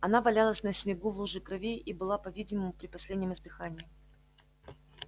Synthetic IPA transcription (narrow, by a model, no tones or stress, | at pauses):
ɐnavɐlʲalˠəsʲnəsʲnʲɪɡuvlˠuʐɨkɾɐvʲejʔibɨlˠapɐvʲidʲɪməmʊpɾʲɪpɐsʲlʲed̪ʲnʲɪmɨzd̪ɨxanʲɪɪ